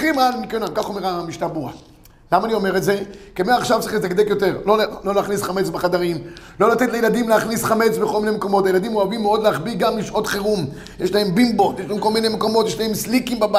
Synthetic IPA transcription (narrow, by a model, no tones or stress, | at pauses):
χimalmikenakaχomeʁamiʃtabua̰ | lamaːnio̞meʁetze̞kemeaχʃavt͡sʁiχlit̪aɡd̪ekjo̞t̪e̞ʁlollo̞leaχnisχame̞t͡sbeχad̪aʁim | lo̞lat̪et̪lejelad̪imleaχnisχame̞t͡sbeko̞lminemeko̞mo̞t̪ajelad̪imoavimːeo̞d̪leaχbiɡamliʃʔo̞t̪χeʁum | jeʃlae̞mbimbo̞t̪jeʃlaemko̞lminemeko̞mo̞t̪jeʃlaemslikimbaba